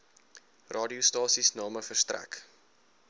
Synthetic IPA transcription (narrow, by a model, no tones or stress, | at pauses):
rʔɑːdiustɑːsisnɑːməfərstræ̰k